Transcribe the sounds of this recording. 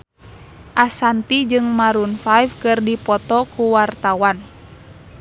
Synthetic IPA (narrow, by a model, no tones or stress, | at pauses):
ʔasant̪id͡ʒɨŋmaɾunfafkɨrdipɔt̪ɔkuwart̪awan